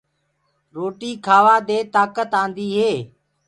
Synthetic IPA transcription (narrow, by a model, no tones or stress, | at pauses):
ɾoːʈiːkʰaːʋaːd̪eːt̪aːkət̪ãːnd̪iːɦeː